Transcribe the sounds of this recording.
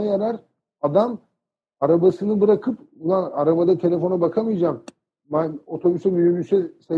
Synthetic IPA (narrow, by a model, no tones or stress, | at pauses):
ajaɾaɾ | ad̪am | aɾabasɯnɯbɯɾakʰɯpbulˠanaɾabad̪at̪ʰe̞lʲe̞fo̞nabakʰamɯjd͡ʒam | bæno̞t̪ʰo̞bysɛmyjymysɛse